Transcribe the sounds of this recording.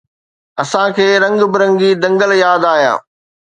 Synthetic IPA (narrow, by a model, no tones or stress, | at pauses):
ɐsãkʰeːɾɐ̃ŋɡbɪɾɐ̃ŋɡid̪ɐ̃ŋɡəljaːd̪aːɦijã̰ː